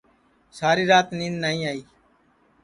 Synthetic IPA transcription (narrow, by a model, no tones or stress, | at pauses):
saːɾiːɾaːt̪niːnnaːĩːaːiː